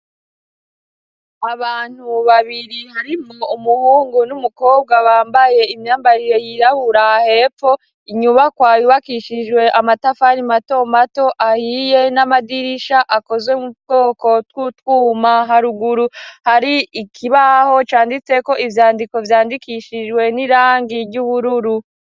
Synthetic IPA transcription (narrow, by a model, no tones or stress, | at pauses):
aβaːn̥huβaβiɾihaɾimumuhuːŋɡunumuko̞ːb̚ɡaβaːmbaje̞imɲaːmbaɾiɾe̞jiɾahuɾahe̞ːp͡fo̞ | iɲuβakwaːjuβakiʃiʒwe̞ʔamatafaɾimato̞mato̞ʔahije̞namadiɾiʃaʔako̞zwemuɡo̞ːko̞twutwuːmaɦaɾuɡuɾuhaɾiːkʰiβaho̞t͡ʃaːndit͡se̞ko̞ʔivjaːndiko̞vjaːndikiʃid͡ʒwe̞niɾaːŋɡiɾɟuβuɾuɾu